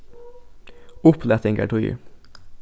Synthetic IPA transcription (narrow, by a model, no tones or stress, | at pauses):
ʊpʰlɛt̪ɪŋɡæ̰ʈʰʊjy̰